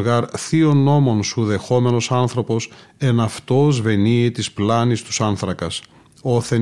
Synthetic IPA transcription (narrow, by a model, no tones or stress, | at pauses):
ɣɐɾθio̞no̞mo̞nsuðe̞xo̞me̞no̞sɐnθɾo̞po̞s | e̞nɐft̪o̞zve̞niet̪isplɐnist̪u̥sɐnθɾɐkɐs | o̞θe